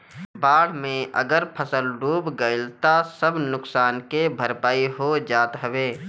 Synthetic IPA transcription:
baːɽ̤mẽʔə̰ɡəɾpʰəsəlɾuːbɡəɪlt̪asəbnʊksaːnkebʱəɾpaːiɦod͡ʒaːt̪ɦəʋeː

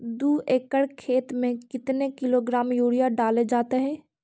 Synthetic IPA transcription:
d̪uːʔeːkəɽkʰeːt̪mẽkɪt̪nekɪloːɡɾaːmjuːɽijaɖaːled͡ʒaːt̪eɦɛ̃ː

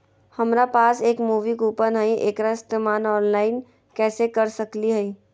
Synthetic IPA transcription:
hɐmɾapaːseːkmuːʋikuːpənɦɛiʔeːkɾast̪əmaːnɔːnlaːɪn | kɛːsekɐɾsɐkliɦɛi

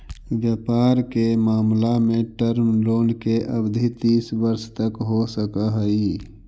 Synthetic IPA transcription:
ʋjəpaːɾkemaːmlameʈəɾmloːnkeʔəbd̪ʱit̪iːsbəɾst̪əkɦosəkaɦəi

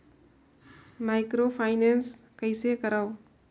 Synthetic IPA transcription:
majkɾopʰajnenskajsekɐɾaw

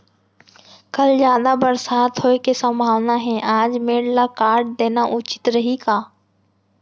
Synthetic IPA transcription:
kɐlzjaːd̪abɐɾsaːt̪ɦoːekesɐ̃mbʱaːʋnaɦẽʔaːd͡ʒmeːɽlakaːɾɖ̚d̪eːnaʔʊt͡ʃɪ̥t̪ɾɐɦikaː

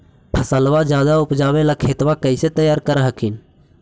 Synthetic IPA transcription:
pʰəsəlʋad͡ʒjaːd̪aʊpd͡ʒaːʋẽlakʰeːt̪ʋakəɪset̪əjaːɾkəɾɦəkʰin

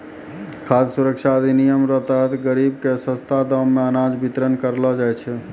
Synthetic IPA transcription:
kʰad̪suɾəkʃʰaəd̪ʱinijəmɾət̪əɦət̪ɡəɾibkesə̃st̪ʰad̪əmːeənad͡ʒbʱit̪ɾənkəɾlɔd͡ʒajt͡ʃʰɛ

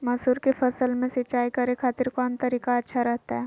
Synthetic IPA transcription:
mɐsuːɾkefɐsəlmẽsɪt͡ʃaːikɐɾekʰaːt̪ɪɾkɔːnt̪ɐɾiːkaɐtːʃʰaɾɐɦt̪aɦɛː

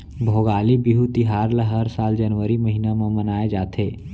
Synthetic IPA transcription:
bʱoːɡaːlibiɦut̪iɦaːɾləɦəɾsaːld͡ʒənʋəɾiməɦinamẽmənaːed͡ʒaːt̪ʰeː

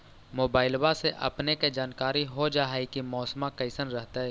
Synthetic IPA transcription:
moːbaːɪlbaseʔɐ̰pneked͡ʒaːnkaːɾiɦod͡ʒaːɦikimɔːsmãkɐɪsənɾəɦt̪aɦɛː

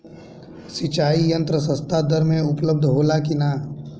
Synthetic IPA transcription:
sit͡ʃaːijɐ̃nt̪ɾəs̬ə̃st̪ʰad̪əɾmẽʊpləb̚d̪ʱɦoːlakinaː

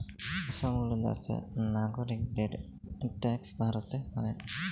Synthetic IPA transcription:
ɔsɔmɡulɔd̪a̰sɛ̰naɡɔɾik̚d̪eɾ | ʈɛksbʱaɾɔt̪ɛhɔj

